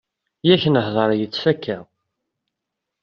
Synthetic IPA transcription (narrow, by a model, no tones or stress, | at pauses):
jæçənəhðˤəɾˤjət͡sːækːæ